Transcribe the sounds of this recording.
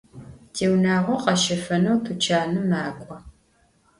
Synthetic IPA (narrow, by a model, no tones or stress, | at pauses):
tʰeːwnaːʁʷɔqɐʃɐfɐnɐwtʰɨt͡ʃʰaːnɨmaːkʷʼɔ